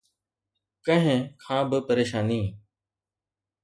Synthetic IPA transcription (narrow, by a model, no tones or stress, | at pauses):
kə̃ɦɪ̃kʰãːbɪpəɾeːʃaːniː